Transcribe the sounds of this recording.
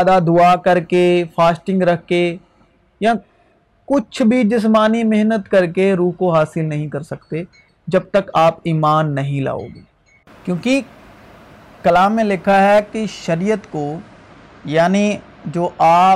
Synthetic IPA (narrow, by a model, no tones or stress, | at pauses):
d̪ad̪ʊakɐɾkefʰaːsʈɪ̃ŋɡɾɐɦke | jã | kʊt͡ʃʰbʱid͡ʒɪs̬maːnimɪɦnət̪kɐɾkeɾuːɦkoɦaːsɪlnɐɦĩkɐɾsɐkt̪e | d͡ʒɐb̚t̪əkaːpiːmaːnːɐɦĩla̰ːo̰ːɡḭː | kjõːki | kɐlaːmːẽlɪkʰaɦɛkiʃɐɾijət̪ko | jaːni | d͡ʒoːʔaː